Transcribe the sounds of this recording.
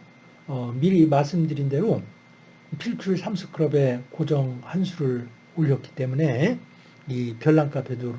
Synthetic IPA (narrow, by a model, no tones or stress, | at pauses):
ʌmiɾimas͈ɯmdɯɾinde̞ɾo | pʰiɭt͡ɕʰuɭsʰamsʰɯ̥kʰɯɾʌbe̞kod͡ʑʌŋhansʰuɾɯɭ | oʎːʌk͈i̥t͈e̞mune̞ | ipjʌɭːaŋk͈apʰedoɾ